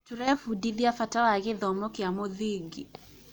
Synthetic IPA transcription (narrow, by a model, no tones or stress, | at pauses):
tuɾɛfudiðiafatawaɣɪðɔmɔkɪamɔðiɡi